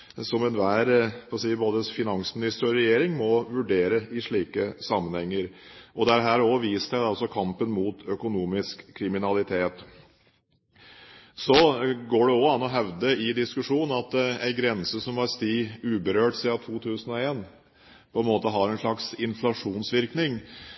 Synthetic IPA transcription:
sɔmɛnʋæːɾfɔsiːboːd̪əfɪnɑŋsmɪnɪst̪ɾəɾɔɾɛjeːɾɪŋmɔʋʉɖeːɾəɪʂɭiːkəsɑmːənhɛŋːəɾʔɔd̪ɛæɾɦæːɾɔʋiːsæɪd̪ɑlsɔkʰɑmpənmuːt̪ʰœkʊnuːmɪskʰːɾɪmɪnɑlɪt̪ʰeːt̪ | sɔɡoːɖɛɔɑnːɔɦɛʋd̪əɪd̪ɪskʉʂuːnnɑt̪æɪɡɾɛnsəsɔmɑɾst̪iːʉːbəɾøːʈsiːd̪ɑt̪ʰuːt̪ʰʉːsənɔeːn | pʰɔɛnmoːt̪əɦɑɾɛnʂɭɑksɪnflɑʂuːnsʋɪɾknɪŋ

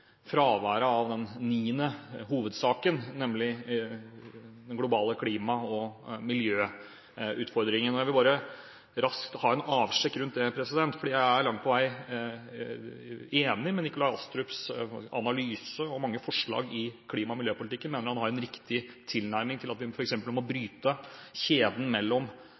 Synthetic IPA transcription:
fɾɑːʋæːɾəɑʋd̪ɛnniːnəɦuːʋəd̪sɑːkənnɛmlɪ | d̪ɛnɡlʊbɑːləkʰliːmɑɔmɪljøː | ʉ̰ːt̪fɔɾd̪ɾɪŋənɔjæɪʋɪlbɑːɾə | ɾɑskt̪hɑːɛnɑːʋʂɛkːɾʉnt̪̚d̪ɛpʰɾɛsɪd̪ɛnt̪fɔɖiːjæɪæɾɭɑŋt̪̚pʰɔʋæɪ | eːnɪmɛnːɪkʊlɑɪɑst̪ɾʉpsɑ̰nɑlyːsəɔmɑŋːəfɔʂɭɑ̰ːɡɪkʰliːmɑmɪljøːpʊlɪt̪ɪkːənmeːnəɾhɑnhɑɾɛnɾɪkt̪ɪt̪ʰɪlnæɾmɪŋt̪ʰɪlɑt̪ʋɪfɔɾɛksɛmpəlmɔbɾyːt̪əçeːd̪n̩mɛlːɔm

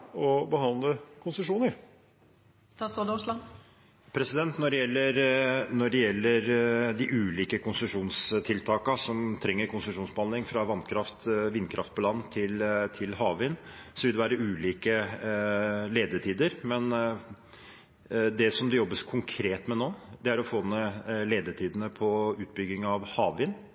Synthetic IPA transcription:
ɔbəhɑnləkʰʊnsəʂuːnəɾ | st̪ɑːsod̪ɔʂlɑn | pʰɾɛsɪd̪ɛnt̪nɔɖɛjɛlːəɾnɔɖɛjɛlːəɾd̪ɪʔʉːliːkəkʰʊnsəʂuːnst̪ʰɪlt̪ʰɑːkɑsɔmt̪ʰɾɛŋːəɾkʰʊnsəʂuːnsbəhɑnd̪ɪŋfɾɑʋɑnkʰɾɑft̪ʋɪnkʰɾʔɑ̰ft̪̚pʰɔlɑnːt̪ʰɪlt̪ʰɪlhɑːʋʋɪːnsɔʋɪld̪ɛʋæːɾəʉːliːkə | leːd̪əʈʰiːd̪əɾmɛn | d̪ɛsɔmd̪ɛjɔbːəskʰʊŋkʰɾeːt̪mɛnoːd̪ɛæɾɔfoːnəleːd̪əʈʰiːd̪ənəpʰɔʉːt̪̚bʏɡːɪŋɑʋhɑːʋʋɪːnː

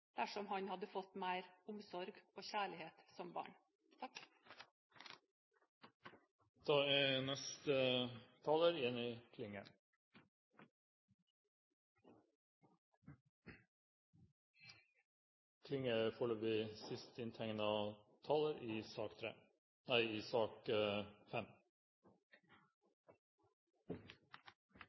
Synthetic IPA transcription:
d̪̥æʂɔmhɑɲhɑd̪əfɔt̪mæɪɾʊmsɔɾɡoːçæːɭɪheːt̪sɔmbɑ̰ːɳ | t̪ʰɑk | d̪̥ɑːɛːnɛst̪ət̪ʰɑːləɾjɛnɪkʰlɪŋə̰ | kʰlɪŋəfɔɭoːʋɪsɪst̪ɪnt̪ʰɛŋnɑt̪ʰɑːləɾiːsɑːkt̪ʰɾḛː | næɪiːsɑːkfɛm

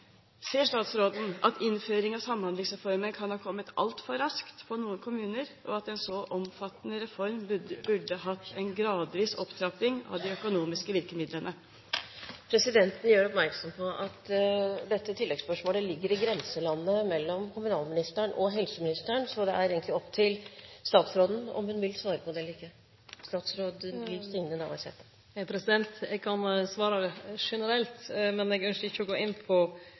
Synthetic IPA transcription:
seːʂʈɑːt̪sɾoːd̪n̩ɑt̪ʰɪnføːɾɪŋɑsɑmːhɑnd̪lɪŋsɾɛfɔɾmənkʰɑnhɑːɾkʰɔmːət̪ɑ̰lt̪fɔɾɑskt̪pʰɔnuːənkʰʊmʉːnəɾʔɔ̰ɑt̪ɛnsɔʔɔmfɑt̪ːənəɾɛfɔɾmbʉɖːəɦɑt̪ːɛnɡɾɑːd̪ʋiːsɔpt̪ʰɾɑpɪŋɑ̰ʋd̪ɪœkʊnuːmɪskəʋɪɾkəmɪd̪lənə | pʰɾɛsɪd̪ɛnt̪n̩jøːɖɛɔpmæɾksɔmpʰɔʔɑt̪d̪ɛt̪ːət̪ʰɪlːɛɡspœʂmoːləlɪɡːəɾɪɡɾɛnsəlɑnːəmɛlːɔmkʰʊmʉnɑːlmɪnɪst̪æɳɔɦɛlsəmɪnɪst̪əɳsɔd̪ɛæɾeːɡənt̪lɪɔpːt̪ʰɪlst̪ɑːt̪sɾoːd̪ən̩ɔ̰mhʉnʋɪlsʋɑːɾəpʰɔd̪ɛːliːkə | st̪ɑːt̪sɾoːd̪bliːst̪ɪŋnəɪnæɾʋæ̰ɪshḛːt̪ə̥ | pʰɾɛsɪd̪ɛnt̪ɛɡ̚kʰɑnsʋɑːɾəʂɛnəɾɛlt̪mɛnɛɡœnʃəɪçːəɔɡoːɪnːpʰɔ

